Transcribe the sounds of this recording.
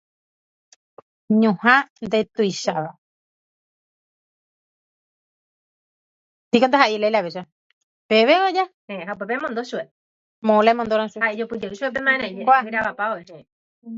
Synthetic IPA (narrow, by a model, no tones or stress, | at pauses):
ɲũhãnd̪et̪ujʃaʋa | t̪ikonaɦaʔelajlaβeʃa | peβeod͡ʒaheɦaupepemõnd̪oʃue | mõlemõnd̪oɾãʃuhaed͡ʒopɨd͡ʒeɨʃuep̬emãẽɾãid͡ʒekʷaiɾaβapaoeɦẽ